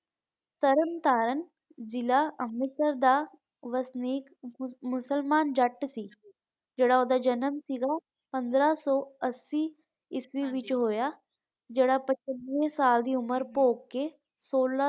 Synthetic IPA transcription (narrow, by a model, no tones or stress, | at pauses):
t̪əɾəmt̪aːɾən | zɪlaːəmɪsəɾd̪aː | ʋəsniːkmʊsəlmaːnd͡ʒəʈsiː | d͡ʒeːɽaːoːd̪aːd͡ʒənəmsiːɡaː | pə̃nd̪ɾaːsɔːəsːiː | ɪsʋiːʋɪt͡ʃɦoːjaː | d͡ʒeːɽaːpət͡ʃənʋẽsaːld̪iːʊməɾpoːkːe | soːla